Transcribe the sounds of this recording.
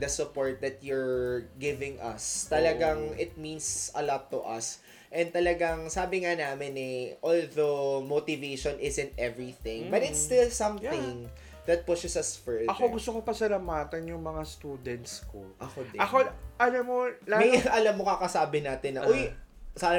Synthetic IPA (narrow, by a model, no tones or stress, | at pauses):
d̪ɐsʊpoɹt̪̚d̪ɐt̪̚jʊɹɡɪvɪ̃ŋʔɐ̰st̪ɐlɐɡaŋɪt̪̚minsɐlɔt̪ːʊʔɐs | ʔɛnd̪t̪ɐlɐɡɐŋsaːbɪŋanaːmɪnɛʔolðomot̪ɪveʃɔnʔɪzɛ̃nt̪ʔɛvɹiθɪ̃ŋbɐt̪ɪsst̪ɪlsɐ̃mθɪ̃ŋ | d̪ɐt̪̚pʊʃɪsɐsfɛɐkoɡʊst̪okopɐsɐlamaːt̪ɐnjʊŋmɐŋast̪uːd̪ɛnt̪skoʔɐkodɐkoʔɐnomolamɐjʔɐlɐmːokakɐsaːbɪnaːt̪ɪnːɐʔojsa